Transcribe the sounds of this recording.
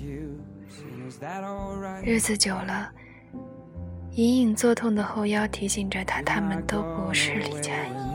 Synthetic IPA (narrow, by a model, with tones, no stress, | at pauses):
ɻɻ̩˥˩d͡zɹ̩˨˩t͡ɕjo˨˩ʊlə˦ | i˧˥ni˨˩ŋt͡swɔ˥˧t̪ʰʊ˥˩ŋd̪ə˩xo˥˧ʊjɑ˥˩ʊt̪ʰi˧˥ɕi˨˩ŋʈ͡ʂə˩t̪ʰa˥t̪ʰa˥mə˨nt̪o˥ʊpu˧˥ʂɻ̩˥˩li˨˩t͡ɕja˥˩